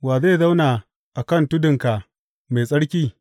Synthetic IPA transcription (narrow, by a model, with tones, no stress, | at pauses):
waː˨ze˦˨za˦wnaː˨ | ʔa˨kɐ˦ntʊ˦dɪ˨ŋka˨ | me˨sʼɐ˦ɽkʲiː˦